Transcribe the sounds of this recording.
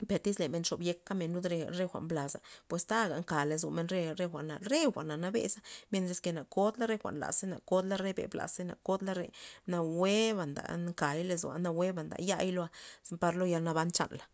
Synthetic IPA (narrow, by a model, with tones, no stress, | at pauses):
pe˨ɾt̪i˦sle˨me˧nʂo˨bje˧kːa˦me˧nːu˦d̪ɾe˧ɾe˦xʷa̰˨mbla˨sa˨pwe˨st̪a˦ɡa˨ŋka˨le˨z̬u˨me˧nɾe˦ɾe˦˧xʷa˨ʔna˨ɾe˦xʷa˨ʔna˨na˧bḛ˧˦sa˦mje˧nt̪ɾe˧ske˧na˨ko˦d̪la˦ɾe˦xʷa̰˨ʔnla̰˨se˦na̰˨ko˦d̪la˦ɾe˦bḛ˨bla̰˨se˦na̰˨ko˦d̪la˦ɾḛ˧na˧we˦ba˨nd̪a̰˨ŋka˨jle˧zṵ˨a̰˧na˧we˦ba˨nd̪a̰˨ja̰˦˧jlo˧a˧pa˧ɾlo˦ja˧lna˧ba˧nt͡ʃa̰˦˨nla˨